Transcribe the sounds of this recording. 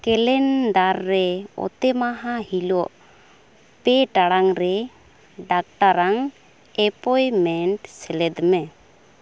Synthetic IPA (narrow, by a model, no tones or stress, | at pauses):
kɛlɛnɖaɾːɛɔ̰t̪ɛmaɦahilɔʔ | pɛʈaɽaŋɾɛ | ɖak̚ʈaɾaŋ | ɛpɔjmɛɳʈsɛlɛd̪mɛ